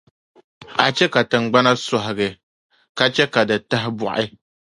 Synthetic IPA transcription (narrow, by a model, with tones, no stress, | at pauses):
a˨t͡ʃɛ˦ka˨tɨ˨ŋ˨ɡ͡ba˦na˦sɔ˨ɦɪ˨ɡɨ˨ | ka˦t͡ʃɛ˦ka˨dɨ˨ta˦ɦɪ˦bɔ̰˦˨ʔɪ˦